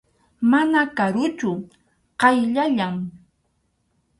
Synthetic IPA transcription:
manakaɾʊt͡ʃʊ | qɑjʎaʎaŋ

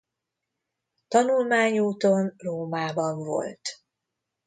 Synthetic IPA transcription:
t̪ɒnulmaːɲuːt̪o̞nroːmaːbɒɱvo̞̰lt̪

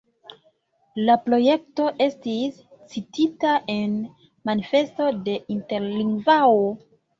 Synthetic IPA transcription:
lapɾo̞je̞k̚to̞ʔe̞stis | t͡sititaʔe̞n | manife̞sto̞de̞ʔinte̞ɾliŋɡvawo

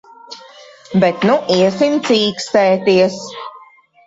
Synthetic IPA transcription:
bɛt̪nuʔiɛsimt̪siːkst̪ɛːt̪iɛs

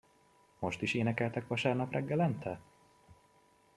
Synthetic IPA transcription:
mo̞ʃt̪iʃeːnɛkɛlt̪ɛkʋɒʃaːrnɒprʔɛɡːɛlɛnt̪ʰɛ

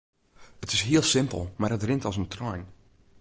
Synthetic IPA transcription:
ətɪsɦiəlˠsɪmpə̰l̩ˠmarətrɪntɔsəntrɔjn

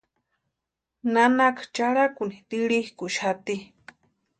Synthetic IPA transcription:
nanakat͡ʃaɽakunit̪iɾihkuʃat̪i

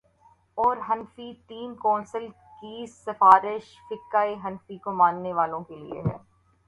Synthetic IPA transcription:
ɔːɾɦɐnfiʈiːmkɔːnsəl | kisɐfaːɾɪʃ | fɪkːaːiɦɐnfikomãːnːeʋaːlõkelḭḛɦɛ̰ː

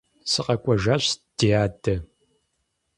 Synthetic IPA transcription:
sɨqɐkʷʼɔʒaːɕd̥iaːtʰʼɐ

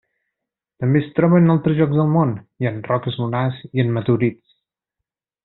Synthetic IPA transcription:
t̪əmbest̪ɾɔβənalˠt̪ɾəzʒɔɡzðəlˠmonjənrɔkəzmunaziənmət̪uɾit͡s

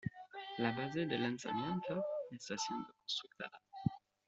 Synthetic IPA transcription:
labazed̪elansa̰mjẽnt̪oesasjẽnd̪okõnst̪ʁuk̚t̪a̰ða

